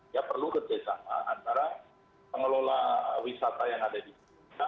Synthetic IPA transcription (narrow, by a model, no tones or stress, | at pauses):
japərlukərd͡ʒasana̰ant̪aɾa | pəŋəlolawisat̪ajaŋadadis | a